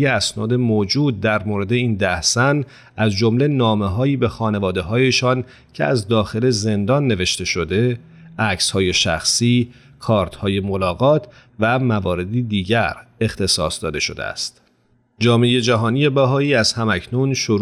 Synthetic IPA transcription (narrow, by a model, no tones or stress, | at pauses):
jeæsnɒːd̪e̞mod͡ʒuːd̪̚ːæɾmoːɾe̞d̪e̞iːnd̪æhsæn | ʔæzd͡ʒo̞mle̞nɒːmeɦɒːiːbe̞xɒːne̞vɒːd̪e̞ɦɒːje̞ʃɒn | cʰe̞̰æ̰zd̪ɒːxe̞le̞ze̞nd̪ɒːnːe̞ve̞ʃt̪e̞ʃo̞d̪e̞ | ʔæcshɒːje̞ʃæ̰xsiː | kʰɒːɾt̪ʰhɒːje̞molɒːɣɒːt̪ʰ | væmævɒːɾe̞d̪iːd̪iːɟæɾe̞xt̪e̞sɒ̰ːsd̪ɒːd̪e̞ʃo̞̰d̪ḛæ̰st̪ | d͡ʒɒːmeje̞d͡ʒæɦɒːnije̞bæɦɒːiːæz̥hæmæcʰnunʃoɾ